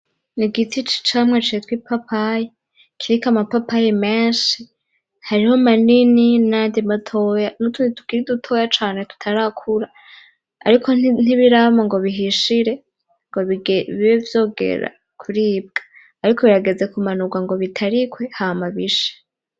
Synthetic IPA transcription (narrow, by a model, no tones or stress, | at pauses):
niɡitʰit͡ʃi̥t͡ʃamŋet͡ʃietwipapʰaje | kʰiɾikamapapajeme̞ːnʃi | haɾiho̞manininaːndimatʰojanutunitu̥kiɾidutʰo̞jat͡ʃaːne̞tu̥tʰaɾakʰuɾa | a̰ɾikʰo̞n̥iβiɾamoŋɡo̞βiɦiʃiɾe̞ | ŋɡoβiɡβiβevjo̞ːɡe̞̰ɾa̰ | kʰuɾiːb̚ɡ̥ḁː | ɾikʰo̞βiɾaɡe̞d͡ze̞kumanuɡwaŋɡo̞βitʰaɾikwe̞hamaβiʃe̥